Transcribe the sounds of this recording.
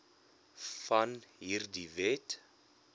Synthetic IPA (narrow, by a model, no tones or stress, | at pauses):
fɐnɦiːrdivɛt